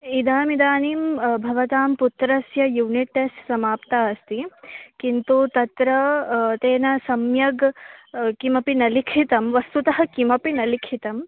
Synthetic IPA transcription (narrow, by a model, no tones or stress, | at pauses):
id̪aːmid̪aːniːmbʱɐʋɐt̪aːmput̪ɾɐsjɐjuːniʈːesʈsɐmaːpt̪aːɐst̪ikint̪ut̪ɐt̪ɾɐt̪eːnɐsɐmjɐɡ | kimɐpinɐlikʰit̪ɐmʋɐst̪ut̪ɐɦɐ̆kimɐpinɐlikʰit̪ɐm